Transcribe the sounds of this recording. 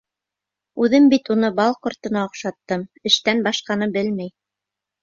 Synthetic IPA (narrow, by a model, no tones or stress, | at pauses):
ʉðɘmbit̪unɤbɑlˠqŏɾt̪ɤ̆nɑŏqʃɑt̪ːɤmɘ̆ʃt̪ænbɑʃqɑnɤbɘlmæj